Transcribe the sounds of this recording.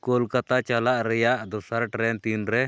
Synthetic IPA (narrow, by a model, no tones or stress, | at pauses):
kɔlkat̪at͡ʃalaʔɾɛjaʔd̪ɔsaɾʈɾɛnt̪inɾɛ